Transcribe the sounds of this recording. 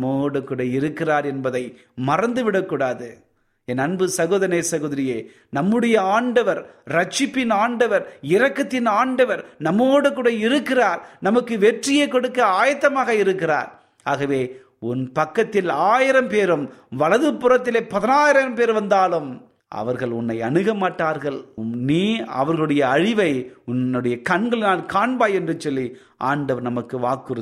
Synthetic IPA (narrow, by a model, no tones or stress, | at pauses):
moːɽɯkːuːɽɐɪɾɯkːɪraːɾɛnbɐðɐɪ | mɐrɐnd̪ɯʋɪɽɐkːuːɽaːðɯ | ɛnɐnbɯsɐɣoːðɐneːsɐɣoːðɪɾɪjeː | nɐmːɯɽɐjɐaːɳɖɐʋɐɾɾɐt͡ʃːɪpːɪnaːɳɖɐʋɐɾɪɾɐkːɐt̪ːɪnaːɳɖɐʋɐɾnɐmːoːɽɯkːuːɽɐɪɾɯkːɪraːɾnɐmɐkːɯʋɛʈrɪjekːɔɽɯkːɐaːjɐt̪ːɐmaːɣɐɪɾɯkːɪra̰ːɾ | aːɣɐʋeː | ʊnpɐkːɐt̪ːɪlaːjɪɾɐmpeːɾɯmʋɐɭɐðɯpːʊrɐt̪ːɪleːpːɐðɐnaːjɪɾɐɾɐmpeːɾʋɐnd̪aːlɯm | ɐ̰ʋɐɾɣɐɭʊnːɐɪɐɳɯɣɐmaːʈːaːɾɣɐɭmniːɐ̰ʋɐɾɣɐɭɯɽɐjɐːɻɪʋɐɪʊnːɯɽɐjɐkɐɳɡɐɭnaːlkaːɳbaːjɛndrɯt͡ʃːɔlːi | ʔa̰ːɳɖɐʋɐɾnɐmɐkːɯʋaːkːɯrɯ